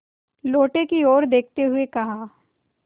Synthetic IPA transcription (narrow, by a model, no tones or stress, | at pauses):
loːʈekioːɾd̪eːk̚ʰt̪eɦʊekɐɦa